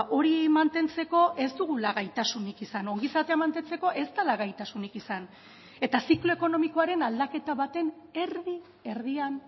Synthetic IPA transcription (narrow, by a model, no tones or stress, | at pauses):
ʔo̞ɾimant̪e̞nt͡se̞ko̞ʔe̞zd̪uɣ̞ulaɣajt̪asunikisano̞ŋɡisat̪e̞amant̪e̞nt͡seko̞ʔe̞zt̪alaɣajt̪asunikisan | e̞t̪asiklo̞eko̞no̞miko̞aɾe̞nald̪ake̞t̪aβat̪e̞n | e̞ɾði | e̞ɾðian